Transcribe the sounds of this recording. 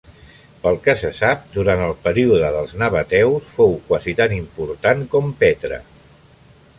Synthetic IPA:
pəlˠkəsəsap̚d̪uɾant̪əlˠpəɾiuðəðəlˠznəβət̪ɛwsfowkwazit̪animpuɾt̪ankɔmpet̪ɾə̰

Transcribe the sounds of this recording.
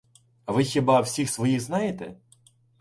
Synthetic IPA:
ɐʋɪxʲibɑwsʲixsʋɔjixznɑjet̪ɛ̰

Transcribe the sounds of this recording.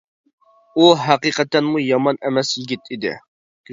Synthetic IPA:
uɦæqiqɛt̪ɛnmujɑmɑnɛmɛsjiɡʲɪt̪ʰid̪ɪ̰

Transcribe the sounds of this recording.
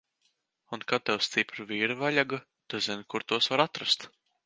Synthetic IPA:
unkat̪ɛwst̪sipɾɨviːɾavalʲaɡa | t̪azinkuɾt̪uɔsvaɾat̪ɾast̪

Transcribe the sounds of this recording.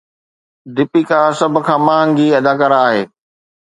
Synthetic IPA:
d̪ɪpikasɐbʱʊ̆kʰãːmãːŋɡiɐd̪aːkaːɾaːɦeː

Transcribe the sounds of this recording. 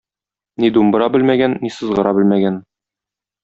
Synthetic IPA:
nid̪umbɤ̆ɾɑbɘlmæɡænːisɤ̆zʁɤ̆ɾɑbɘ̆lmæɡæn

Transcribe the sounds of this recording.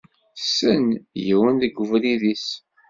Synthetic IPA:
sənjəwənðəɡʷːəvliðis

